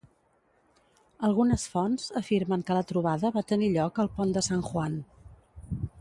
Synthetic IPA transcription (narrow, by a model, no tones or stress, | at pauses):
əlˠɣunəsfɔnzəfiɾməŋkələt̪ɾuβ̞aðəβat̪əniʎɔkəlˠpond̪əsaŋʝwan